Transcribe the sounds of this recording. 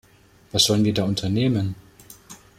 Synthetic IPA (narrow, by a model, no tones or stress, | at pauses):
v̥asz̥ɔlənviːɐdaːʔʊntʰɐneːmən